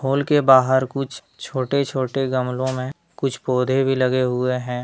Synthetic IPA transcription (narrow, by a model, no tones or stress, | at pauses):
ɦoːlkebaːɦəɾkʊt͡ʃʰ | t͡ʃʰoːʈet͡ʃʰoːʈeɡəmlõmẽ | kʊt͡ʃʰpoːd̪ʱebʱilɐɡeɦʊeɦɛ̃ː